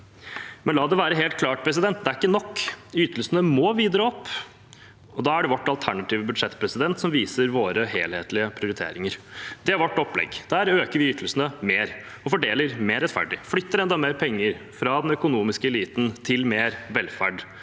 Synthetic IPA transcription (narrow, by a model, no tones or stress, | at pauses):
mɛnlɑːd̪ɛʋæːɾəɦeːlt̪̚kʰlɑːʈ̚pʰɾɛs̬ɪd̪ɛnt̪̚d̪ɛæɾɪkːənɔkːyt̪əlsənəmɔːʋiːd̪ɾɑɔpː | ɔd̪ɑːæɖɛʋɔʈːɑlt̪ʰæɳɑt̪iːʋəbʉd̪ʂɛt̪ːpʰɾɛsɪd̪ɛnt̪sɔmʋiːsəɾʋoːɾəɦeːlheːt̪lɪəpʰɾɪʊɾɪt̪ʰḛːɾɪŋəɾd̪̥ɛæɾʋɔʈːɔplɛ̰ɡd̪̥æːɾøːkəɾʋɪʏt̪ʰəlsənəmeːɾ | ɔfɔɖeːləɾmeːɾɛt̪fæ̰ɖɪflʏt̪ːəɾɛnd̪ɑmeːɾpʰɛŋːəɾ | fɾɑːd̪ɛnœkʊnuːmɪskəɛliːt̪n̩t̪ʰɪlmeːɾʋɛlfæɖ